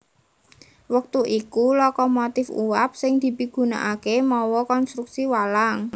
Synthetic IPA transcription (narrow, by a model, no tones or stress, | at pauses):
wək̚t̪uʔikulɔkɔmot̪ɪfṵwap̚sɪŋd̪̥i̤piɡ̥ṳna̰ʔakemɔwɔkɔnst̪ɾuksiwalaŋ